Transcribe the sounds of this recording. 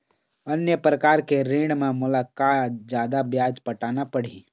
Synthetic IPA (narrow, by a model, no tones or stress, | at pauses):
ənjəpɾəkaːɾkeɾẽːɽɖmẽmʊlaːkatd͡ʒjaːd̪abjaːd͡ʒpəʈaːnapəɽi